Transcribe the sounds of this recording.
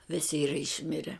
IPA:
ˈʋʲɪsʲɪ ˈiːrɐ ɪʃʲˈmʲɪrʲɛ

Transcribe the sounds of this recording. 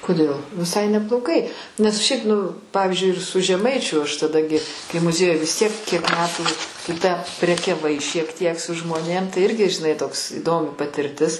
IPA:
koːˈdʲeːlˠ ʋʲɪˈsɐɪ nʲɛblˠoːˈɡɐɪ nʲɛs ˈʃʲɛɪp nʊ ˈpɑːʋʲiːzʲd͡ʒʲʊɪ ɪr sʊ ʒʲɛˈmɐɪt͡ʃʲʊ ɐʃ tɐˈdɐ ɡʲɪ kɐɪ mʊˈzʲiɛjʊj ʋʲɪs tʲiɛk kʲiɛk ˈmʲæːtuː tʊ tʲæː pʲrʲɛkʲɛˈʋɐɪ ʃʲiɛk ˈtʲiɛk sʊ ʒmoːˈnʲeːm tɐɪ ˈɪrʲɡʲɪ ʒʲɪˈnɐɪ ˈtoːks iːˈdoːmʲɪ pɐtʲɪrʲˈtʲɪs

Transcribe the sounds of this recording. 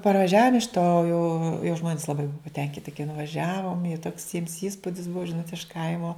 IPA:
pɐrʋɐˈʒʲæːʋoːm ɪʃ toː jɛʊ jɛʊ ˈʒmoːnʲɪs lˠɐˈbɐɪ ˈbʊɐ pɐˈtʲɛŋʲkʲɪtʲɪ kɐɪ nʊʋɐˈʒʲæːʋoːm jɛʊ toːks jiɛms ˈiːspʊdʲɪs ˈbuɔ ˈʒʲɪnoːt ɪʃ ˈkɐɪmoː

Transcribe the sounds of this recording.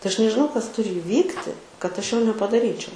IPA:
tɐɪ ˈɐʃ nʲɛʒʲɪˈnɐʊ kɐs ˈtʊrʲɪ ɪˈʋʲiːktʲɪ kɐt ˈɐʃ ˈjoː nʲɛpɐdɐˈrʲiːt͡ʃʲɛʊ

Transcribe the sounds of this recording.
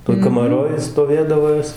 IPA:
toːj kɐmɐˈroːj stoːˈʋʲeːdɐʋoː ˈjoːs

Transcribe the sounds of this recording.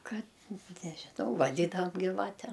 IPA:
ˈkɐt nʲɛʒʲɪˈnɐʊ ʋɐˈdʲiːdɐʋɐm ɡʲɪˈʋɑːtʲɛm

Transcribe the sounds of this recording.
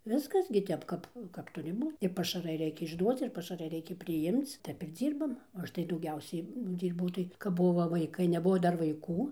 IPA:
ˈʋʲɪskɐs ɡʲɪ ˈtʲɛp ˈkɐp kɐp ˈtʊrʲɪ ˈbuː ɪ pɐʃɐˈrɐɪ ˈrʲɛɪkʲɛ ɪʒˈduɔt͡s ɪr pɐʃɐˈrɐɪ ˈrʲɛɪkʲɛ pʲrʲɪˈjɪmt͡s ˈtʲɛp ɪr ˈd͡zʲiːrbɐm oː ˈɐʃ tɐɪ dɐʊˈɡʲɛʊsʲɛɪ ˈdʲiːrbɐʊ tɐɪ kɐp ˈbʊʋoː ʋɐɪˈkɐɪ nʲɛˈbʊʋoː ˈdɐr ʋɐɪˈkuː

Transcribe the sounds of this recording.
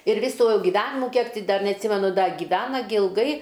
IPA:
ɪr ˈʋʲiːsʊ ɡʲɪˈʋʲæːnʲɪmʊ ˈkʲiɛk tʲɪ ˈdɐr nʲɛɐtʲˈsʲiːmʲɛnʊ ˈdɐ ɡʲiːˈʋʲæːnɐ ɡʲɪ ɪlˠˈɡɐɪ

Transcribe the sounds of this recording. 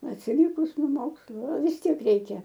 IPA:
ɐtʲsʲɪˈlʲɪkʊs noː ˈmoːkslˠʊ ɐ ʋʲɪs ˈtʲiɛk ˈrʲɛɪkʲɛ

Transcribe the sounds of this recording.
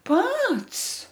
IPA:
ˈpɐts

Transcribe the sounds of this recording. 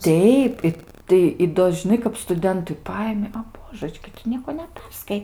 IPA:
ˈtʲɛɪp ˈɪ tɐɪ ɪ ˈdoː ʒʲɪˈnɐɪ kɐp stʊˈdʲɛntʊɪ ˈpɐɪmʲɪ ɐ ˈboːʒət͡ʃʲkʲɪ tʊ ˈnʲiɛkoː nʲɛˈpʲɛrskɐɪ

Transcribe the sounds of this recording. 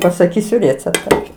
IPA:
pɐsɐˈkʲiːsʲʊ ˈrʲeːt͡sʲɛptɐ

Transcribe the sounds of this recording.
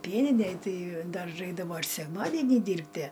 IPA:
ˈpʲiɛnʲɪnʲɛj ˈtɐɪ ˈdɐr ˈrɐɪɡdɐʋoː ɪr sʲɛkˈmɑːdʲɛnʲiː ˈdʲiːrʲpʲtʲiɛ

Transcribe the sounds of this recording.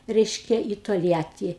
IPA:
ˈrʲɛɪʃʲkʲɛ iː toːlʲˈjæːtʲiː

